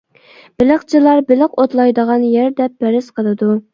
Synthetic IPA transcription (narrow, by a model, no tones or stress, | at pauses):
b̥ɪlɪχt͡ʃʰɪlˠɑɾbɪlɪqot̪lˠɑjd̪əʁɑnjæɾd̪ɛp̚bæɾɪsqʰəlˠɨd̪u